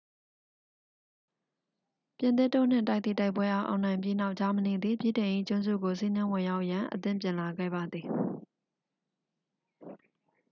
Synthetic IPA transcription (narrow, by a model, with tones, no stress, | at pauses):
pjɪ̃˨t̪ɪ˦˨tːo̰˦˨n̥ɪ̰̃˦˨ta˦ɪt̪θḭ˦˨ta˦ɪpwɛ˦ʔa˦ʊʔã̰˨ʊ̃nã˨ɪ̃mpji˦na˦ʊʔt͡ɕa˦məne˨d̪ði˨bji˦˨tɪ̃˨ʔḭ˦˨t͡ɕʊ̃˦nzṵ˦˨ɡo˨si˦nɪ̃˦wɪ̃˨ja˦ʊʔjã˨ʔət̪ɪ̰̃˦˨mpjɪ̃˨la˨ɡɛ̰˦˨ba˨d̪ði˨